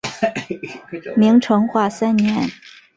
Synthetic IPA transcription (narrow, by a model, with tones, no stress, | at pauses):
mi˧˥ŋʈ͡ʂʰɤ˧˥ŋxwa˥˩sa˥nnjɛ˧˥n